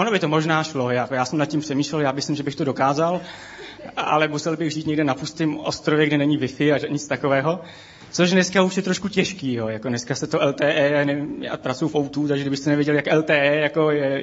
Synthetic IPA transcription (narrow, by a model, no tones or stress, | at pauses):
ʔonobɪt̪o̞mo̞ʒnaːʃlo̞jakojaːsɛmnat̪̚cɪmpr̥ɛmiːʃlɛljaːmɪslɪmʒɛbɪxt̪odo̞kaːzal | ʔa̰lɛmusɛlbɪɣʒiːt̪ɲɛɡdɛnapust̪ɪmʔo̰st̪ɾovjɛɡdɛnɛɲɪvɪfɪaɲɪt͡st̪akovɛːɦo̞ | t͡soʃnɛskauʃjɛt̪ɾoʃkucɛʃkiːjoːjakonɛskasɛt̪oʔɛlt̪ɛːʔɛːanɛvɪmja̰ːpɾat͡sujufʔowt̪uːt̪aɡʒɛɡdɪbɪxsɛnɛvjɛɟɛljakʔɛlt̪ɛːʔɛːjako̞jɛ